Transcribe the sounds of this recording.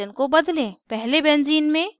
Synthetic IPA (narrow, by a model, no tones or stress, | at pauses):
ənkobɐd̪lẽpɛɦlebɛ̃ːnd͡ʒiːnmẽ